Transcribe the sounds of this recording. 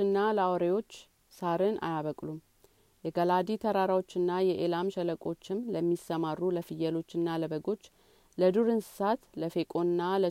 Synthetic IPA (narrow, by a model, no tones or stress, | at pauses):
ɨnːaləawɾejwo̞t͡ʃː | saɾɨnʔa̰jaβəkʼlum | jɛɡəlad̪it̪ʰəɾaɾawot͡ʃːɨnːajɛʔelamʃɛləkʼo̞t͡ʃːɪmləmːisəmarːuləfɨjːɛlo̞t͡ʃːɨnːaləbəɡo̞t͡ʃː | ləd̪uɾɨnsɨ̥sat̪ləfe̞kʼo̞nːalə